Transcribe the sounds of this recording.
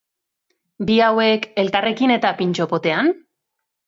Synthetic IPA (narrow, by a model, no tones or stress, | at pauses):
biawe̞ke̞lt̪are̞kine̞t̪apint͡ʃo̞po̞t̪e̞an